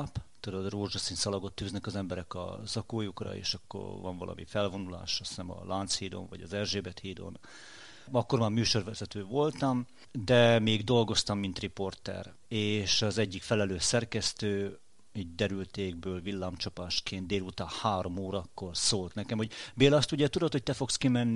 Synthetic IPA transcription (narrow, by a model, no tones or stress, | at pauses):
pt̪ud̪od̪roːrʒosinsɒlɒɡot̪ːyːznɛkɒzɛmbɛɾɛkɒ̰zɒkoːjukrɒ̰ḛːʃɒkːo̰rvɒ̰ɱvɒ̰lʔɒ̰mʔḭfɛlvo̞nula̰ːʃɒsnɛmɒ̰lʔaːnt̪shiːd̪o̰nvɒ̰ɟɒzɛrʒeːbɛt̪hiːd̪o̰n | ɒkːo̞rmaːrmyːʃo̞rvɛzɛt̪øːvo̞lt̪ɒm | d̪ɛmeːɡd̪o̞lɡo̞st̪ɒmːint̪ripo̞rt̪ɛ̰r | eːʃɒzɛɟːikfɛlɛløːsɛrkɛst̪øː | iːɟ̚d̪ɛɾylt̪eːɡ̚bøːlvilːaːmt͡ʃɒpaːʃkeːnt̪d̪eːlut̪aːhaːɾo̞moːɾɒkːo̞rsoːlt̪nɛkɛmho̞ɟbeːlɒst̪uɟɛt̪ud̪ot̪ho̞c̚t̪ɛfo̞kskimɛnːi